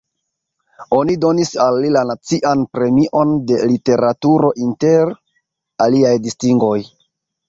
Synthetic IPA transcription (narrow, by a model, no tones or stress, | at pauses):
o̞nido̞nisalːilanat͡siʔanpɾe̞miʔo̞nde̞lite̞ɾatuɾo̞ʔinte̞ɾ | aliajdistiŋɡo̞j